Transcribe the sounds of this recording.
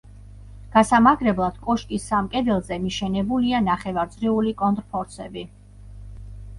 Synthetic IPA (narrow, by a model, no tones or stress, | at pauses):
ɡ̥asamaɡɾɛblˠad̪̥kʼɔʃkʼisːamkʼɛd̪ɛlˠzɛmiʃɛnɛbulianaχɛvaɾd̪zɾiulikʼɔnt̪ʼɾpʰɔɾsɛbi